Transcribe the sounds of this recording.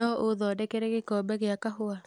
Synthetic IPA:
ɔʔoðɔːdɛkɛɾɛɣekɔːbɛɣeakaɦoa

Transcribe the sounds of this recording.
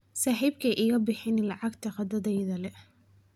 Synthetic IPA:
saːħiːbkʰɐʔɪɣɐbɪħɪnlɑʕɑɡt̪ʰɐqɑd̪ɐðɛjðɐlɛ

